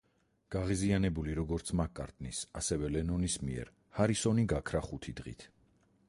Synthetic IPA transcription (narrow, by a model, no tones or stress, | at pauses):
ɡ̥aʁizianɛbuliɾɔɡɔɾt̪sʰmakʼa̰ɾt̪ʼnisa̰sɛvɛlɛnɔnismiɛ̰ɾ | haɾisɔniɡakʰɾaχut̪ʰid̪ʁḭt̪ʰ